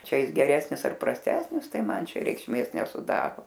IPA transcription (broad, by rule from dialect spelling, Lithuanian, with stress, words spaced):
ˈt͡ʃʲɛ ˈjɪs ɡʲɛˈrʲæːsʲnʲɪs ɐr prɐsʲˈtʲæːsʲnʲɪs ˈtɐɪ ˈmɐn ˈt͡ʃʲɛ rʲɛɪkʃʲˈmʲeːs nʲɛsʊˈdɑːroː